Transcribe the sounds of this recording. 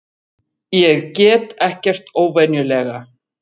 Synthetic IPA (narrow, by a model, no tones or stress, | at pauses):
jɛɣcɛːt̪ɛhcɛr̥t̪oːwvɛnjʏlɛːɣa